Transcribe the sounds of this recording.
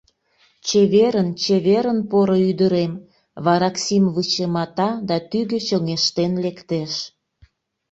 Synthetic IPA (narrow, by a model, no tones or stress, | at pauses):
t͡ɕeβeɾənt͡ɕeβeɾənpoɾoyd̪əɾem | βɑɾɑksimβɯt͡ɕəmɑt̪ɑd̪ɑt̪yɣet͡ɕəŋeʃt̪enlekt̪eʃ